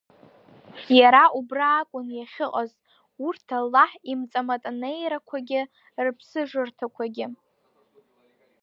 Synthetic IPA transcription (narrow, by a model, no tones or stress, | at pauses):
jaɾaʔubraːkʷʼʊnjaχʲɪqʼaz | urtʰalːaħimt͡sʼamatʼanejɾakʷʰaɡʲɪ | rpʰsɨʐɨrtʰakʷʰaɡʲɪ